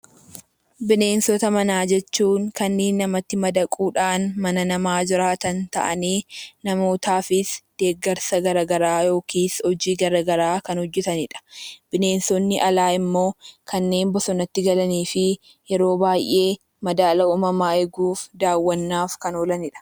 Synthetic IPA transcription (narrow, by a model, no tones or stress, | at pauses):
bɪne̞ːnsɔt̪ɐmɐnaːd͡ʒɛt͡ʃːuːŋkɐnːeːnːɐmɐt̪ːɪmɐd̪ɐkʼuːᶑaːnmɐnɐnɐmaːd͡ʒɪɾaːt̪ɐnt̪ɐ̰ʔɐ̰niːnɐmo̞ːt̪aːfɪsd̪̥e̞ːɡːɐɾsɐɡɐɾɐɡɐɾaːjo̞ːkʰiːshɔd͡ʒiːɡɐɾɐɡɐɾaːkɐnhɔd͡ʒːɛt̪ɐnɪᶑɐ̥b̥ɪne̞ːnsɔnːɪʔɐlaːɪmːo̞ːkʰɐnːe̞ːnbɔsɔnɐt̪ːɪɡɐlɐniːfɪ | jɛɾo̞ːbaːjʔe̞ː | mɐd̪aːlɐuːmɐmaːɛɡuːfd̪aːwːɐnːaːfkɐnolɐnɪᶑɐ̥